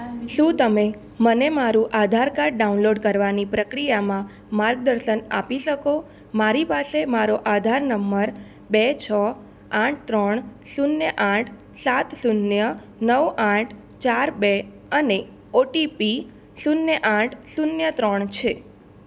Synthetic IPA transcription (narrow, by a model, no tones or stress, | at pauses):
ʃũt̪əme | mənemaɾũʔad̪ʱaɾkaɾʈ̚ɖaunloɖkəɾʋanipɾəkɾijamã | maɾɡ̚d̪əɾʃəna̰piʃəko | maɾipasemaɾoʔad̪ʱaɾnəmbəɾ | bet͡ʃʰə | ãʈ̚ʰt̪ɾəɳsunjəʔãʈʰ | sat̪sunjə | nəʋãʈʰ | t͡ʃaɾbe | əne | oʈipi | sunjəʔãʈʰsunjət̪ɾəɳt͡ʃʰe